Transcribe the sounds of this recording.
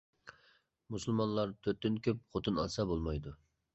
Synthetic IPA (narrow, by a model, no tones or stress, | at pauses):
musɨlˠmɑnlˠɑɾt̪ʰøɾt̪ːynkʲʰøp̚χot̪ʰɨnɑ̰sɑbolˠmɑjd̪u